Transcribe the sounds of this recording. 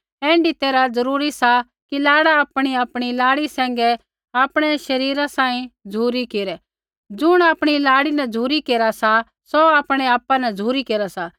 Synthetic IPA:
ɛ̃ːɳɖit̪eːɾad͡zɐɾuːɾisa | kilaːɽaaːpɽ̃iaːpɽ̃ilaːɽisɛ̃ːŋ̆ɡɛ | aːpɽ̃ɛʃɐɾiːɾãsãːĩd͡zʱuːɾikeːɾɛ | d͡ʒʊɽ̃aːpɽ̃ilaːɽinɛd͡zʱuːɾikeːɾasa | soaːpɽ̃ɛaːpːanɛd͡zʱuːɾikeːɾasa

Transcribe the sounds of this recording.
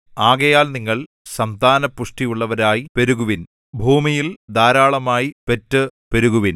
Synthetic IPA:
aːɣɐjaːlniŋːɐɭ | sɐnd̪aːnɐpːuʂʈijuɭːɐʋɐɾaːjipe̞ɾuɣuʋin | bʱuːmijild̪ʱaːɾaːɭɐmaːjipe̞tːɨpe̞ɾuɣuʋin

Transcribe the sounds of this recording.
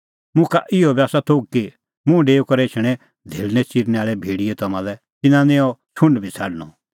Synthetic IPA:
mʊ̃kaʔɪɔbjaːsat̪ʰoːɡ̚ki | mũɖeːukɔɾeːt͡ʃʰɽ̃ɛ | d̪ʱeːlnɛt͡ʃiɾnɛaːɭɛbʱeːɽiɛt̪ɔmãːlɛ | t̪ɪnãnẽɔt͡ʃʰʊ̃ɳɖbʱit͡sʰaɽñɔ

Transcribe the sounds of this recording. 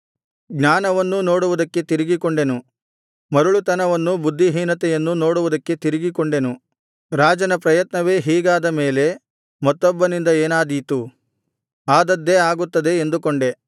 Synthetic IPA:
ɡnaːnɐʋɐnːuno̞ːɽuʋud̪ɐkːe̞t̪iɾiɡikoɳɖe̞nu | mɐɾuɭut̪ɐnɐʋɐnːubud̪ʱːiɦiːnɐt̪ɛjɐnːuno̞ːɽuʋud̪ɐkːe̞t̪iɾiɡikoɳɖe̞nu | ɾaːd͡ʒɐnɐpɾɐjɐt̪nɐʋe̞ːɦiːɡaːd̪ɐme̞ːle̞ | mɐt̪ːɔbːɐnind̪ɐeːnaːd̪it̪u | aːd̪ɐd̪ːe̞aːɡut̪ːɐd̪e̞ːnd̪ukoɳɖe̞

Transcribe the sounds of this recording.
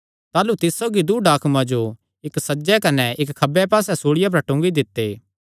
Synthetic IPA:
t̪aːlut̪ɪssoːɡid̪uːɖaːkʰmãd͡ʒo | ɪksɐd͡ʒɛkɐnɛʔɪkkʰːɐbɛpaːsɛsoːɽɪjap̬ɐɾʈʊ̃ːŋɡid̪ɪt̪ːeː

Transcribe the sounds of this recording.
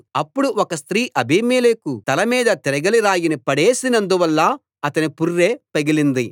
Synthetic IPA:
ɐpːuɽuɔkɐst̪ɾiːʔɐbiːmeːlekut̪ɐlɐmiːd̪ɐt̪iɾɐɡɐliɾaːjinipɐɽeːsinɐnd̪uʋɐlːɐ | ɐt̪ɐnipurːe̞ːpɐɡilind̪i

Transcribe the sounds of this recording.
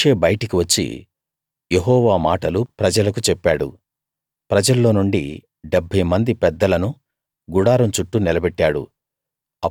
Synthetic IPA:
eːbɐjɐʈɐkiʋɐt͡ʃːḭ | jeɦɔːʋaːmaːʈɐlupɾɐd͡ʒɐlɐk̬ut͡ʃɛpːaːɽṵ | pɾɐd͡ʒɐlːo̞ːnuɳɖḭ | ɖebʱːɐjmɐnd̪ipɛd̪ːɐlɐnu | ɡuɽaːɾɐmt͡ʃuʈːunilɐbɛʈːaːɽṵ | ɐ

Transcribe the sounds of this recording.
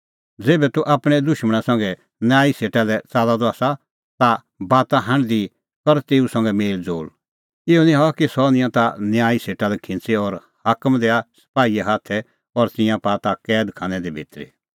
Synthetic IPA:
d͡zeːbɛt̪uʔaːpɽ̃ɛd̪ʊʃməɽ̃ãsɐ̃ŋɡɛ | njaːiseːʈalɛt͡saːd̪ad̪ɔaːsa | t̪a | baːt̪aɦɐ̃ɳɖd̪i | kɔɾt̪eːusɐ̃ŋɡɛmeːld͡zo̰ːl | ɪɔnĩɦɔkisɔnɪ̃jãt̪anjaːiseːʈalɛkʰɪ̃nt͡seɔɾ | haːkəmd̪eːasɐ̥paːiaɦaːt̪ʰɛ | ɔɾt̪ɪ̃jãpaːt̪akɛːd̪kʰãːnɛd̪ibʱḛːt̪ɾḭ

